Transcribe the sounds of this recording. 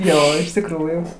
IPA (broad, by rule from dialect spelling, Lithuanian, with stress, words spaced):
ˈjoː ɪʃ tʲɪkˈruːjuː